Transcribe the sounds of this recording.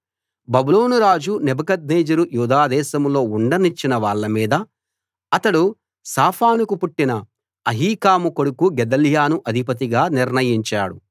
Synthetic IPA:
bɐbulo̞ːnuɾaːd͡ʒunɛbɐkɐd̪̚neːd͡ʒɐɾujuːd̪aːd̪ɛːʃɐmlo̞ːuɳɖɐnit͡ʃːinɐʋaːɭːɐmiːd̪ɐ | ɐt̪ɐɽu | saːpʰaːnukupuʈːinɐ | ɐɦiːkaːmukoɽukuɡɛd̪ɐljaːnuʔɐd̪ʱipɐt̪iɡaːniɾnɐjiɲt͡ʃa̰ːɽu

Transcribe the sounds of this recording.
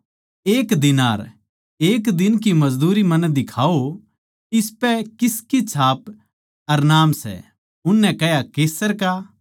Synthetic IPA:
eːkd̪ɪnaːɾ | eːkd̪ɪnk̬imɐzd̪uːɾimɐnɛd̪ɪkʰaːo | ɪspɛkɪskit͡ʃʰaːp | ɐɾnaːmsɛ̰ | ʊnːɛ̃kɛjakeːsəɾka

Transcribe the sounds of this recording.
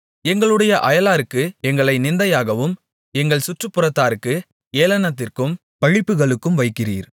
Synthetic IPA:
ɛŋɡɐɭɯɽɐjɐʔɐjɐlaːɾɯkːɯɛŋɡɐɭɐɪnɪnd̪ɐjaːɣɐʋɯm | ɛŋɡɐɭsʊʈrɯpːɯrɐt̪ːaːɾɯkːɯ | eːlɐnɐt̪ːɪrkɯm | pɐɻɪpːɯɣɐɭɯkːɯmʋɐɪkːɪriːɾ

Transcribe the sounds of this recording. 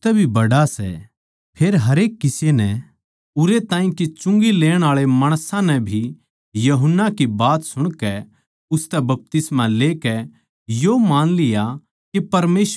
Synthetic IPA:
t̪ɛbʱibɐɽasɛ̰ | pʰeːɾɦɐɾeːkːɪsenɛ | ʊɾet̪ãːĩkit͡ʃʊ̃ŋɡileːɽ̃aːɭemaːɽ̃sãnɛbʱi | jɐɦʊnːakibaːt̪sʊɽ̃kɛ | ʊst̪ɛbɐp̚t̪ɪsmãleːkɛ | jomaːnlɪja | kepɐɾmeːs

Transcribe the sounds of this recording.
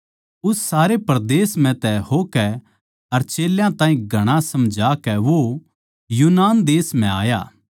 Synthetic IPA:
ʊsːaːɾepɐɾd̪eːsmɛ̃t̪ɛhoːkɛ | ɐɾt͡ʃeːljãt̪ãːĩɡʱɐɽ̃asɐmd͡ʒʱaːkɛʋo | juːnaːnd̪eːsm̤ɛ̃aːja̰ː

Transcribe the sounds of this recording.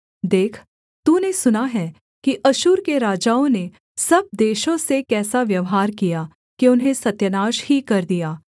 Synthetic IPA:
d̪eːkʰ | t̪uːnesʊnaɦɛː | kiʔɐʃuːɾkeɾaːd͡ʒaːõne | sɐb̚d̪eːʃõsekɛːsaʋjɐʋɦaːɾkija | kiʊnɦẽsɐt̪jənaːʃhikɐɾd̪ijaː

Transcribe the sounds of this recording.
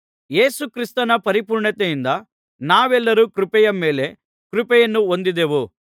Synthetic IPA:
je̞ːsukɾist̪ɐnɐpɐɾipuːɾɳɐt̪ejind̪ɐ | naːʋɛlːɐɾukɾupɛjɐmːeːle | kɾupɛjɐnːuond̪id̪eːʋu

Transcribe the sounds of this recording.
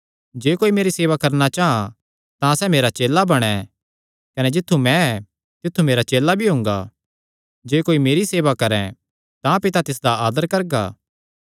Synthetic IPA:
d͡ʒeːkoːimeːɾiseːʋakɐɾnat͡ʃaːɦã | t̪ãsɛːmeːɾat͡ʃeːlːabɐɽ̃ɛ | kɐnɛd͡ʒɪt̪ʰːumɛ̃ɛ | t̪ɪt̪ʰːumeːɾat͡ʃeːlːabʱiɦõːŋɡa̰ː | d͡ʒeːkoːimeːɾiseːʋakɐɾɛ̃ | t̪ãpɪt̪at̪ɪs̬d̪aaːd̪əɾkɐɾɡa̰ː

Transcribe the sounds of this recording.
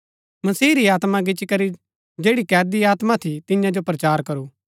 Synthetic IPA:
mɐsiːɾiaːt̪mãɡɪt͡ʃikɐɾi | d͡ʒeːɽikɛːɾd̪iaːt̪mat̪ʰit̪ɪjãd͡ʒopɾɐt͡ʃaːɾkɐɾuː

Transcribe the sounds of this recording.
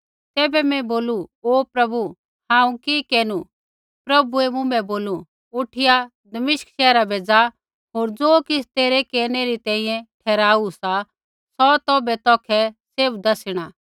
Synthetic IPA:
t̪ɛːbɛmɛ̃boːluoːpɾɐbu | hãːũkikɛːnu | pɾɐbuɛmʊ̃bɛboːlu | ʊʈʰɪja | d̪ɐmɪʃkʃɛːɾabʱeːd͡za | ɦoːɾd͡zoːkɪst̪eːɾɛkeːɾneɾit̪ɛ̃ːĩjɛ̃ʈʰɛːɾaːusa | sɔt̪ɔːbɛt̪ɔːkʰɛseːbd̪ɐsɪɽ̃aː

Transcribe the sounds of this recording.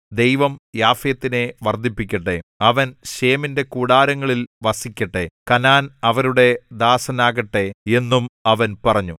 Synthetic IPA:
d̪e̞jʋɐmjaːfɐjɐt̪ːine̞ʋɐrd̪ipːikʲːɐʈːeɐʋɐnɕeːminde̞kuːɽaːɾɐŋːɐɭilʋɐsikʲːɐʈːekɐnaːnɐʋɐɾuɽe̞d̪aːsɐnaːɣɐʈːe̞e̞nːumɐʋɐnpɐrɐɲːu

